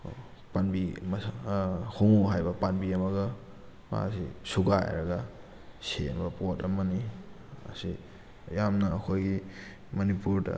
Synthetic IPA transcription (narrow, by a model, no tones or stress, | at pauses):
panbim | hoŋoɦajbɐpanbiɐmɐɡɐ | ma̰sisuɡaj̰ɾɐ̰ɡa | sembɐpotɐmɐni | ɐ̰si | jamnɐːkʰojɡi | mɐnipuɾdɐ̰